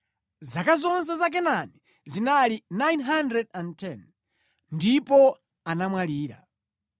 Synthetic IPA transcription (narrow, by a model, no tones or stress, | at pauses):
zakazɔns̬ɛzak̬ɛnani | zinalinajnɦandɾɛdantʰɛn | ndipɔ | anamwaliːɾa̰